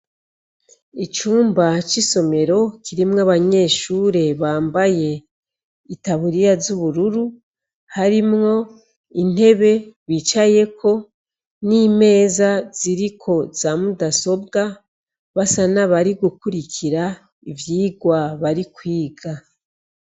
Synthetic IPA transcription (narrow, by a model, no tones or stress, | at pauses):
it͡ʃuːmbat͡ʃiso̞me̞ɾo̞kʰiɾimŋaβaɲe̞ːʃuːɾe̞βaːmbaje̞ | itaβuɾijazuβuɾuɾu | haɾimŋo̞ | in̥he̞βe̞βit͡ʃaje̞kʰo̞ | niːme̞ːzaz̥iɾikʰo̞z̥aːmudaso̞b̚ɡa | βasanaβaɾiɡukuɾikʰiɾa | ivjiːɡwaβaɾikwiːɡa